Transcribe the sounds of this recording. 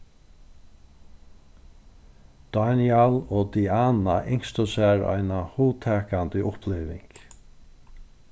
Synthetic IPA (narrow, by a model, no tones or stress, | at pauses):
d̪̥anjaloːd̪iaːnaʔɪŋst̪əsæːɹa̰jnahuːt̪ʰɛːkant̪əʔʊplɛːʋɪŋk